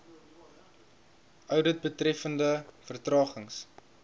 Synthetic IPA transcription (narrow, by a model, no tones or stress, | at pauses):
ʔœwdət̚bətrɛfəndəfərtrɑːχəŋs